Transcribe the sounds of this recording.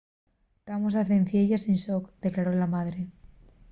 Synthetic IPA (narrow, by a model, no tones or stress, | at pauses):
t̪amos̬aθenθjeʎasinsokd̪̥e̞klaɾo̞lamaðɾe̞